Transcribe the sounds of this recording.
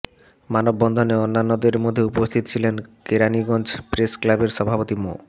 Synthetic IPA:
manobːɔnd̪ʱoneonːanːod̪eɾmod̪ʱːeupost̪ʰit̪ot͡ɕʰilenkeɾaniɡɔnd͡ʑʰpɾesklabeɾʃɔbʱapot̪imo̰

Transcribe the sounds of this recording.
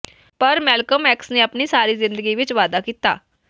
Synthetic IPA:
pəɾmɛlkəmɛːksneapɳiːsaːɾiːzɪ̃nd̪əɡiʋɪt͡ʃʋaːd̪akiːt̪a̰ː

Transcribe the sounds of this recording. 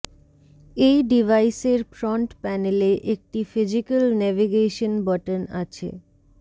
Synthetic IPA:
ejɖivajseɾfɾɔɳʈpɛneleʔek̚ʈifid͡ʑikəlnɛviɡeʃonbɔʈəna̰t͡ɕʰḛ

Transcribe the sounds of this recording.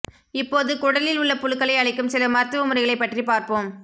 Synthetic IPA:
ɪpːoːðɯkʊɽɐlɪlʊɭːɐpʊlɯkːɐɭɐɪɐɭɪkːɯmsɪlɐmɐɾt̪ːɐʋɐmʊɾɐɪɣɐɭɐɪpːɐʈripaːɾpoːm

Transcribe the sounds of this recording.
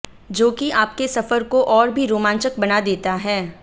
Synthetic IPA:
d͡ʒoːkiaːp̚kesɐfəɾkoʔɔːɾbʱiɾoːmãːnt͡ʃək̚bɐnad̪eːt̪aɦɛː

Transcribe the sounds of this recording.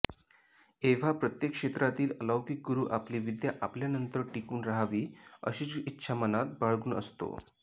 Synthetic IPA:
eʋ̤apɾət̪jekʂet̪ɾat̪iːləlawkik̚ɡuɾuːʔapliʋid̪jaʔapljanənt̪əɾʈikuːnɾaɦaʋiːə̰ɕiːt͡sitːɕʰamənat̪̚baɭɡuːnə̰st̪o̰

